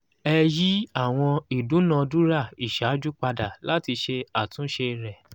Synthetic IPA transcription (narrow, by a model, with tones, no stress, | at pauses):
ɛ˧ji˦a˦˨w̃ɔ̃˧i˨dũ˨˦nã˨˧du˦ɾa˦˨i˨ʃa˨˦d͡ʒu˦k͡pa˧da˨la˦ti˧ʃe˧a˨tũ˨˦ʃe˧ɾɛ˨